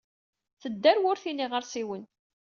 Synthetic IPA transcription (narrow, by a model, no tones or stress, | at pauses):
θəd̪ːæɾwʊɾθiniʁəɾsiwən